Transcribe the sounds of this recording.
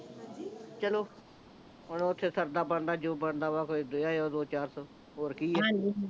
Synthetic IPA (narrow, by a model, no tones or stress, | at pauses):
t͡ʃəloː | ɦʊnːʊt̪ʰːeːsəɾd̪aːbəɳd̪aːd͡ʒoːbəɳd̪aːʋaːkoːid̪ʊjaːoːd̪oːt͡ʃaːɾsɔː | ɦoːɾkiːɛɦãːĩ